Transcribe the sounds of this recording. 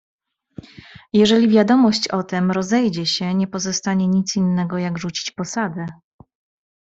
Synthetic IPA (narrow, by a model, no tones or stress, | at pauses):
jɛʐɛlʲivʲjad̪ɔmɔɕt͡ɕɔt̪ɛmɾɔzɛjd͡ʑɛɕɛɲɛpɔzɔst̪aɲɛɲit̪sinːɛɡɔjaɡʐut͡ɕi̥t͡ɕpɔsad̪ɛ